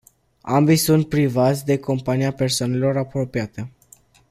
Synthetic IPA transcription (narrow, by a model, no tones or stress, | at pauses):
a̰mbijsunt̪̚pɾivat̪sʲd̪e̞ko̞mpaniape̞rsoane̞lo̞ɾapɾo̞piat̪e̞